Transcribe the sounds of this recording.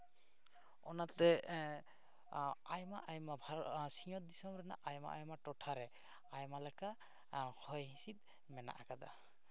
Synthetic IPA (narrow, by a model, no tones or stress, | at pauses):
ɔnat̪ɛ | ajmaʔajmabʱaɾsiɲɔt̪̚d̪isɔmɾɛna̰ʔajma̰ʔajmaʈɔʈʰaɾɛ | ajmalaka | kʰɔjɦĩsit̪̚ | mɛna̰ʔakad̪a̰